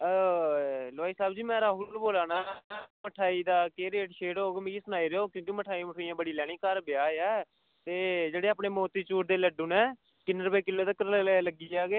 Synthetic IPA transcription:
laːiːsaːbd͡ʒiːmɛ̃ːɾaːɦulboːlaːnaːməʈʰaːiːd̪aːkeːɾeːʈʃʰeːɽɦoːɡemɪ̃kisʊnaːiːɾeoːkjõːkiməʈʰaːiməʈʰoːijãːbəɽiːlɛːɽ̃iːkəɾbɪjaːɛː | t̪eːd͡ʒeːɽeːaːpɳeːmoːt̪iːt͡ʃuːʈd̪eːləɖʊːnɛː | kɪnːɾəpeːkɪlːoːt̪ekəɾlːləɡiːaːɡeː

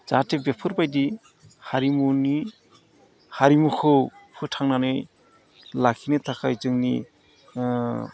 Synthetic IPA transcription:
z̥atebepʰɯɾbajdi | haɾimuni | haɾimukʰɯwpʰɯtʰaŋnanɯj | lakʰinɯtʰakʰajzɯŋni

